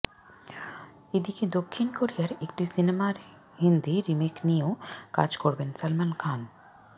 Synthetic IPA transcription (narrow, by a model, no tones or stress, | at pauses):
ed̪iked̪okʰːinkoɾijaɾekʈisinemaɾ | hind̪iɾimekniooka̰d͡ʑkoɾbensalmankʰan